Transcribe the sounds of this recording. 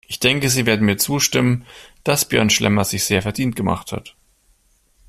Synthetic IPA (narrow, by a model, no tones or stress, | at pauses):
ʔɪçd̥ɛŋkəziːveːɐdn̩miːɐt͡suːʃtɪmənd̥asb̥jœ̰ɐnʃlʔɛ̰mɐzɪçz̥eːɐfɛɐdiːnt̚ɡ̥əma̰χtha̰t